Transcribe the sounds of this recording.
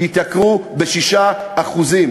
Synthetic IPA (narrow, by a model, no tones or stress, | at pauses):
it̪akʁubeʃiʃaaχuzim